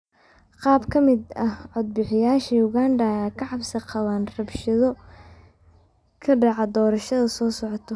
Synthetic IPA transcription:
qɑːbkʰɐmɪd̪ɐhʕɔd̪̚bɪħɪjaːʃɐjʊɣaːndɐɐjaːkʰɐʕɑbsɐqɑwaːnrɐbʃɐðɔ | kʰɐɖɑʕɑd̪ɔːɾɐʃɐðɐsɔːsɔʕt̪ʰɔ

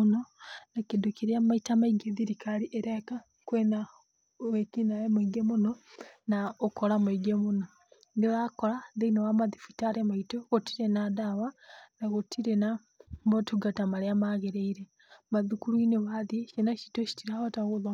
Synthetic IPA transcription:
nonakidukiɾiamaitamaiɡeðiɾikʰaliʔeɾeka | kwena | βekinajemwiɡemunonaokolamuiɡemuno | ndiβakolaðeinowamaðifitaɾemaitoɣotiɾenadaβanaɣotʰiɾena | mbotuɡatamaleamaɣeɾeiɾe | maðikuluineβaðiʃenaʃi̥toʃi̥tiɾaβataɣuða

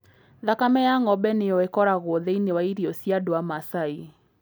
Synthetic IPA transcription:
ðakamɛjaŋɔbɛneɔɛkɔɾaɣoðeinewaiɾiɔsjadoamasai

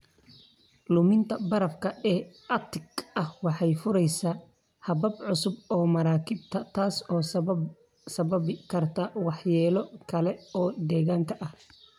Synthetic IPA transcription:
lʊmɪnt̪ʰɐbɐɾɐfkʰɐɛː | ɐt̪ʰɪɡɐhwɑħɑjfʊɾɛjsaː | hɐβɐbʕʊsʊbɔːmɐɾaːkʰɪb̚t̪ʰɐt̪ʰaːsɔː | sɐβɐbɪkʰɐrt̪ʰɐwɑħjɛːlɔkʰɐlɛɔːd̪ɛːɣaːŋkʰɐʔɐh

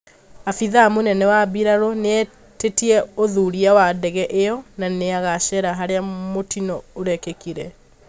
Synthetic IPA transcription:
afiðamonɛnɛwabiɾaɾɔneɛ | tetiɛoðuɾiawadɛɣɛʔejɔnaneaɣaʃɛɾaɦaɾeamotinɔoɾɛkekiɾɛ

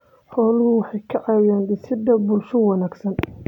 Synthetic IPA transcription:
ħɔːlʊhʊwɑħɑjkʰɐʕɑːwjaːnɖɪsɪd̪ɐbʊlʃʊwɑnaːɡsɐn

